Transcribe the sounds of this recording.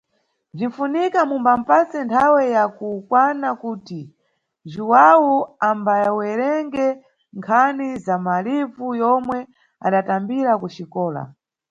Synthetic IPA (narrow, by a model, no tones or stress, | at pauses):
b͡ʐiɱfunikamumbam̩pasɛntʰawɛjakukwanakuːti | ʒuwawuambajwɛɾɛŋɡɛ | ŋkʰanizamalivujɔmwɛ | a̰ɗatambiɾakuʃikɔːla̰